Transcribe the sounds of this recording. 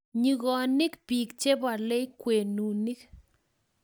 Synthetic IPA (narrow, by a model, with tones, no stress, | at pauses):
ɲi˨ɣɔ˨nɪ˦kpi˨kt͡ʃe˦ba˨le˦jkːwe˨nu˨ni˦k